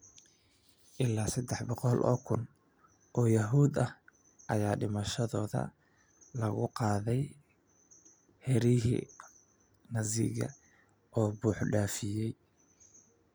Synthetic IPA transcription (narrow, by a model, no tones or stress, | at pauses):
ʔɪlːaːsɐd̪ɛħbɔqɔlʔɔ̰ːkʰʊn | ʔɔːjɐɦuːd̪ɐh | ʔɐjaːɖɪmɐʃɐðɔːðɐ̰ | lɐɣʊqɑːðɛj | hɛɾiɦḭ | nɐzɪ̰ɣɐ̰ | ʔɔːbuːħɖaːfɪjɛj